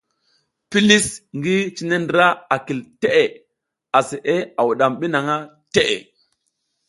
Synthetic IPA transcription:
pi˦li˦sŋɡi˦t͡ʃi˦ne˦ndɾa˦a˨ki˨lte˦ʔe˨ | a˨se˨ʔe˦a˨wu˨ɗa˨mɓi˦na˨ŋa˦ | te˦ʔḛ˨

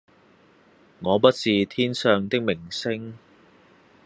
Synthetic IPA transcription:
ŋɔː˨˧pɐ˥t̚t͡siː˨t̪ʰiː˥nsœː˨ŋt̪ɪ˥k̚mɪ˨˩ŋsɪ˥ŋ

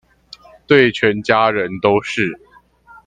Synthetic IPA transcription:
t̪we˥˩ɪt͡ɕʰɥɛ˨˧˥nt͡ɕja˥ɻə˧˦nt̪o˥ʊʂɻ̩˥˨

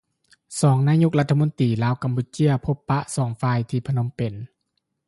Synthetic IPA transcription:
sɔː˩˦ŋnaː˧˥˨ɲo˧˥k̚la˧˥t̪ʰːa˧mo˧˥˦nt̪iː˨˩laː˧˥˨wka˨˩mpuː˧˦t͡ɕi˦˧˥ɐpʰo˧˥pːa˧ʔsɔː˩˦ŋfaː˧˨jt̪ʰiː˧pʰa˧no˧˥˨mpe˨˩n

